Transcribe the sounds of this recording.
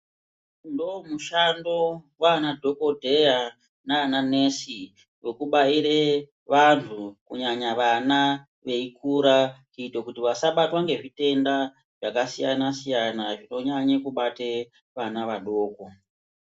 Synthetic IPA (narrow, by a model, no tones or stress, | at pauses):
ndomuʃando̞wanadʱo̞ko̞dʱe̞ja | naːnane̞si | wekuɓaiɾe | ʋantʰukuɲaɲaʋana | ʋe̞ikuɾakuitokutiʋasaɓatwaŋɡe̞ʐite̞nda | ʐ̥akasijanasijanaʐino̞ɲaɲekuɓate̞ | ʋanaʋaɗo̞ːko